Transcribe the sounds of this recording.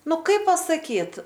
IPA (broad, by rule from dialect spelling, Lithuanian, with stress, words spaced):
ˈnʊ ˈkɐɪp pɐsɐˈkʲiːt